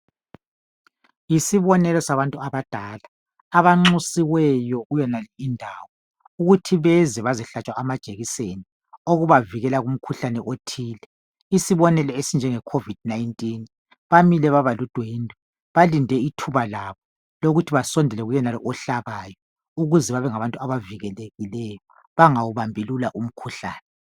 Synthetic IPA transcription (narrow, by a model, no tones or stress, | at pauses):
isiβɔnɛlɔsaβantʼuaβad̥ʱaːlaː | βaŋ͡ǁusiwɛjɔɣujɛnalɛindʱaːwɔ | uɣutʰiβɛzɛβaziɬat͡ʃʼwaamad̥ʒ̥ʱeɣiseni | oɣuβaviɣɛlaɣum̩kʰuɬanɛʔotʰiːlɛ | isiβɔnɛlɛesind͡ʒʱɛŋɛkʰovid̥̚najintʼin | βamilɛβaβalud̥ʱwendʱɔ | βalindʱɛitʰuβalaβɔ | loɣutʰiβasɔndʱɛlɛɣujɛnalɔʔɔɬaβaːjɔ | uɣuzɛβaβɛŋaβantʼuaβaviɣɛleɣilɛjɔ | βaŋawuβambʱilulaʔum̩kʰuɬaːnɛ